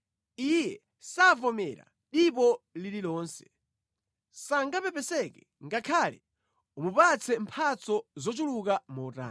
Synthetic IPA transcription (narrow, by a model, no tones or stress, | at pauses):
ijɛ | savɔmɛɾa̰ | ɗip̬ɔlililɔːnsɛ̥ | saŋɡapɛpɛsɛkɛ | ŋɡakʰalɛ | umupat͡sʰɛmpʰat͡sɔzɔt͡ʃuluk̬amɔta̰ː